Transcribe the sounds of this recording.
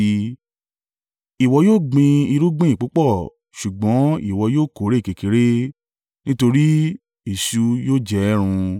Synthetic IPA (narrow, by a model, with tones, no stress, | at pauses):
i˨wɔ˧joː˦˨ɡ͡bĩ˧i˧ɾu˦ɡ͡bĩ˦i˦˨k͡po˨˦k͡pɔ˦˨ | ʃu˨ɡ͡bɔ̃˨˦ḭ˦˨wɔ˧joː˦˨ko˨˦ɾe˦˨ke˨ki˨˦ɾe˦ | nĩ˦to˧ɾi˦ | i˨ʃu˨˦joː˦˨d͡ʒɛ˧˦ɾ̃ũ˧